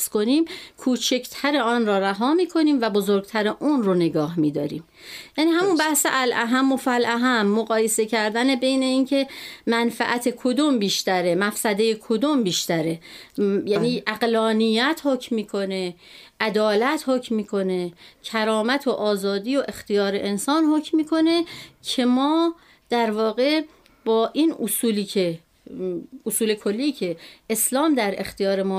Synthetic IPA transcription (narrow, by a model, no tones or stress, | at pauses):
sko̞niːmkʰuːt͡ʃʰe̞kt̪ʰæɾe̞ɒːnɾɒːɾæɦɒːmiːkʰo̞niːmvæbozoɾɡ̚t̪ʰæɾeʔuːnrone̞ɡɒːɦmiːd̪ɒ̰ːɾḭːm | jæniːɦæmunbæhseʔælʔæɦæmːofælʔæɦæmːoɣɒːje̞se̞cʰæɾd̪æne̞be̞jne̞iːncʰe̞mænfæ̰ʔæt̪ʰe̞kʰod̪umbiːʃt̪æɾemæfsæd̪e̞jekʰo̞d̪umbiːʃt̪æɾejæːniːʔæɣlɒːnijæt̪ʰhocmmːiːkʰo̞ne̞ | ʔæd̪ɒːlæt̪hocmmiːkʰo̞ne̞cʰæɾɒːmæt̪ʰoʔɒːzɒːd̪iːoʔe̞xt̪ijɒːɾe̞ʔensɒːnhocmiːkʰo̞ne̞cʰe̞mɒː | d̪̥æɾvɒːɣe̞ | b̥ɒːʔinusuːliːcʰe | usuːle̞kʰolːiːcʰe̞eslɒːmd̪æɾe̞̰xt̪ijɒːɾe̞mɒː